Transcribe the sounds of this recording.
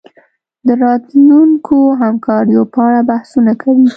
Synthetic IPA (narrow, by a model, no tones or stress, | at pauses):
d̪əɾɑt̪luŋkʰoɦamkɑɾjopəaɽabahsunakʰawi